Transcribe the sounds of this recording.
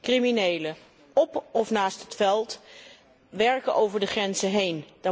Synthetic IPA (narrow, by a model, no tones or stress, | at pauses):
kriminejlə | ɔpɔfnaːstɦətfɛlˠt | ʋɛɹkənʔowvəɹdəχrɛnzəɦejnd̥a